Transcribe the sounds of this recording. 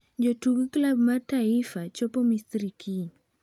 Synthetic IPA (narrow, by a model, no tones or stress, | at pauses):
d͡ʒɔtuɡklabmataifat͡ʃɔpɔmisɾikʰi